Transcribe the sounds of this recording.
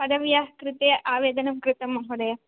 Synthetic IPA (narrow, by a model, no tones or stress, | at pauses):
pɐd̪ɐʋjaːɦkɾɪt̪eːʔaːʋeːd̪ɐnɐmkɾɪt̪ɐmɐɦɐɾeː